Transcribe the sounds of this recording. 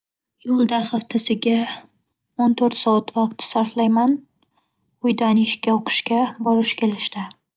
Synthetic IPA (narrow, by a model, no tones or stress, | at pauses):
jolˠd̪aχɑft̪ʰasɪɡʲa | ont̪ʰoɾt̪sɒat̪vɑqt̪ʰɪ̥saɾflajman | ʊjd̪anɪʃkʲaoqʰɨ̥ʃkʲabɒlɪʃkʲʰe̞lɪʃt̪ɪ